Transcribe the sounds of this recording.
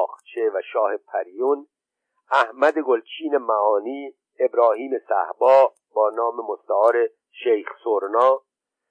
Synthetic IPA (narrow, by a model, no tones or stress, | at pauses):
χt͡ʃʰevæʃɒːhe̞pʰæɾijun | æhmæd̪eɡolt͡ʃʰiːne̞mæɒːniː | ebɾɒːhiːmesæ̰hbɒː | bɒːnɒːmemost̪æɒːɾe | ʃejxsoɾnɒː